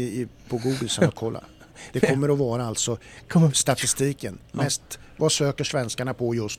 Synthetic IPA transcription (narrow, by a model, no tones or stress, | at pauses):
pʰɔɡuːɡəlsakʰɔlːa̰ | d̪̥ɛɔmːəɾɔvɑːɾaalt̪sɔst̪at̪ɪst̪iːkənmɛst̪ | vasøːkəʂvɛnskaɳapʰɔjɵs